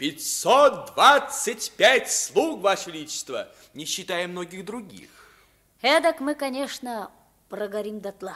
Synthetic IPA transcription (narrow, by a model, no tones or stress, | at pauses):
pʲɪtʲsot̪̚d̪vat̪sɨtʲpʲætʲslˠukvaʂvʲɪlʲit͡ɕɪ̥st̪və | nʲɪɕːɪt̪ajɪmnoɡʲɪɣd̪ɾʊɡʲḭx | ɛd̪əkmɨkɐnʲeʂnə | prəɡɐɾʲimd̪ɐt̪lˠa